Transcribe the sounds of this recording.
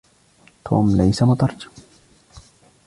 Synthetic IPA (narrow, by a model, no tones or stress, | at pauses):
t̪ʰo̰ːmlɛjsamʊt̪ɑɾˤd͡ʒḁm